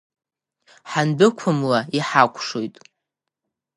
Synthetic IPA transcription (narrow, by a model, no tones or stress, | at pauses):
ħanbɨkʷʰʊmlaiħakʷʰʼʂojtʼ